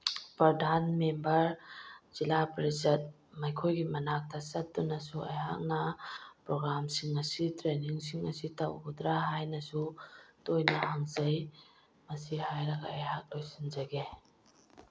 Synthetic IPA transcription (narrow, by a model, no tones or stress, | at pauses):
pɾɐdʱanmembɐɾz̥ilapɾizɐt̚ | majkʰojɡimɐnak̚tʰɐsɐt̚dunːɐsuɐjɦa̰k̚nɐpɾoɡɾamsiŋɐsitɾeniŋsiŋɐsitawudɾaɦajnɐsutojnɐʔaŋzɐj | mɐsihajɾɐɡaːjhak̚lojsinzɐɡe